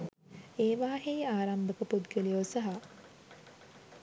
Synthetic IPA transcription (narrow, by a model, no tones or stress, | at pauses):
eːʋaːɦejaːɾambəkəpud̪ɡelijosaɦa